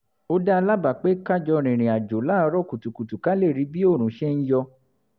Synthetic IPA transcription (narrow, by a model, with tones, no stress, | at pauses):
o˦da˦˧la˦ba˨k͡pe˦ka˦˨d͡ʒɔ˧ɾ̃ĩ˨ɾ̃ĩ˨a˨d͡ʒo˨la˦˧ɾɔ˦ku˨tu˨ku˨tu˨ka˦le˦˨ɾi˨˧˦bi˦o˦˨ɾ̃ũ˨˦ʃɛ˦n̩˦jɔ˧